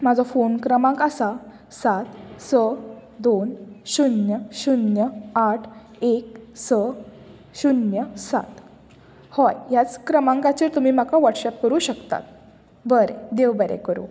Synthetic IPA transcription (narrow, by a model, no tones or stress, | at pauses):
mad͡zʱɔfonkɾəmãŋkasa | sat̪səd̪onɕunjəɕunjəaʈʰ | ek̚sə | ɕunjəsa̰t̪ | hɔjjat͡skɾəmãŋkat͡ɕiɾt̪um̤iːm̤akaʋəʈɕɛp̚kəɾuɕəkt̪a̰t̪̚ | bəɾed̪eʋbəɾɛ̰kəɾṵ